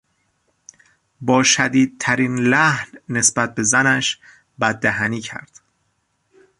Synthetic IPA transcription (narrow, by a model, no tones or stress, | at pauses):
bɒːʃæd̪iːd̪̚t̪ʰæɾiːnlæhnːe̞sbæt̪̚be̞zænæʃ | bæd̪ːæɦæniːcʰæ̰ɾd̪̥